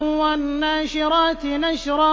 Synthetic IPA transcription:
wanːaːʃɪɾˤɑːt̪ɪnaʃɾˤɑ

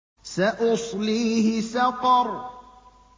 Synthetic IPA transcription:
saʔɑsˤliːhɪsɑqɑɾˤ

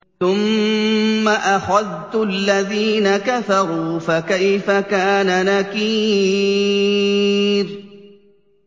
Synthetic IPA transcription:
θʊmː | aʔaħaðt̪ʊlːaðiːnakaθɑɾˤuːfakajfakaːnanakiː | ɾ

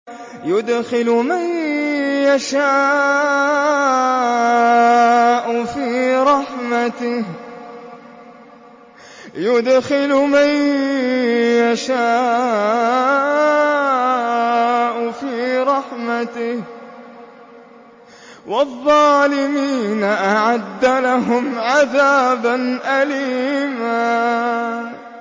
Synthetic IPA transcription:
jʊd̪xɪlmanjaʃaː | ʔʊfiːɾˤɑħmat̪ɪh | jʊd̪xɪlman | jaʃaː | ʔʊfiːɾˤɑħmat̪ɪh | wʔɑðˤːɑːlɪmiːnaʔaʕad̪ːalaɦʊmʕaðaːbanʔaliːmaː

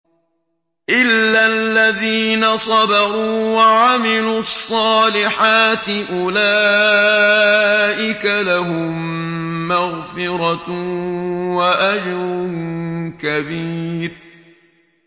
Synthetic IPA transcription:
ʔɪlːalːaðiːnasˤɑbɑɣuːwaʕamɪluːɑsˤːɑːlɪħaːt̪ɪʔʊlaː | ʔɪkalaɦʊmː | aɣfɪɾɑ | waʔad͡ʒɾʊ | kabiːɾ

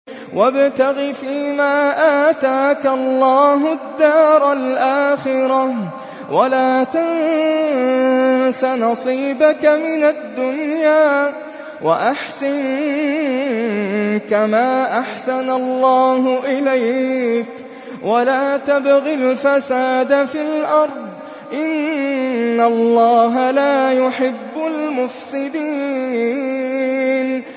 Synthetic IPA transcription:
wʔabt̪aɣifiːmaːʔaːt̪aːkalˤːɑːɦʊd̪ːɑːɾˤalʔaːxɪɾɑ | walaːt̪an | sanɑsˤiːbakamɪnad̪ːʊnjaː | wa̰ʔaħsan | kamaːʔaħsanalːɑːɦʊʔɪlajk | wʔalaːt̪abɣɪlfasaːd̪afilʔɑɾˤd̪ˤ | ʔɪnː | alːɑːɦalaːjʊħɪbːʊlmʊfsɪd̪iː | n

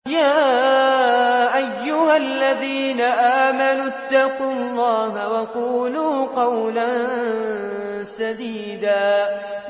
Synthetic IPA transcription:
jaː | ʔajːʊhalːaðiːnaʔaːmanut̪ːɑqulːɑːɦawɑquːluːqɑwlan | sad̪iːd̪aː

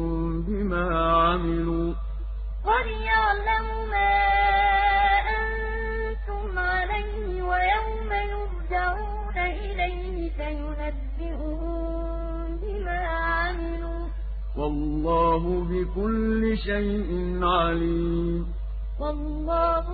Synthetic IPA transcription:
m | bɪmaːʕamɪluː | qɑd̪jaʕlamʊmaː | ʔan | t̪ʊmʕalajhɪwajawmajʊɾd͡ʒaʕuːnaʔɪlajhɪsajʊnabːɪʔʊ | ʊ | bɪmaː | ʕamɪluː | wɑlːɑːɦʊbɪkʊlːɪʃajʔɪnʕaliːmm | wɑlːɑːh

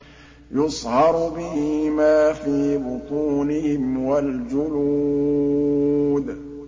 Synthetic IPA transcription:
jʊsˤhɑɾˤbɪhɪmaːfiːbʊt̪ˤuːnɪhɪmwald͡ʒʊnu | d̪

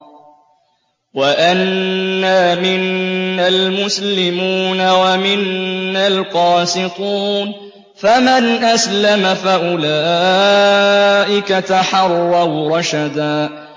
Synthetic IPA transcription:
waʔanːaːmɪnːalmʊslɪmuːnawamɪnːalqɑːsɪt̪ˤuːn | famanʔaslamafaʔʊlaː | ʔɪkat̪aħɑrˤːɑwɾˤɑʃad̪aː

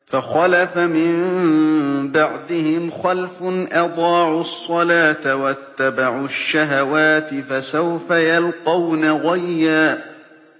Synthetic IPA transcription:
faxalafamɪm | baʕd̪ɪhɪmxalfʊnʔɑd̪ˤɑːʕʊsˤːɑlaːt̪awat̪ːabaʕʊʃːaɦawaːt̪ɪfasawfajalqɑwnaɣajːaː

